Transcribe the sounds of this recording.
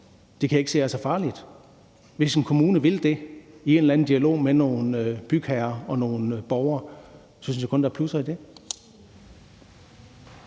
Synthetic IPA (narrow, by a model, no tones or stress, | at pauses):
d̥e̝kʰæje̝ɡ̥se̝̰ːæsɑfɑ̈ːlid̥ | ʋe̝senkʰo̝muːnəʋe̝ld̥e̝ie̝ːnlæn̩d̥iælo̝̰ːmeno̝ːn̩b̥yɡ̥hæɐɒ̽no̝ːn̩b̥ɒʊɐː | sɒnyn̩sjɑkʰɔ̽nd̥æɐpʰlusɐid̥e̝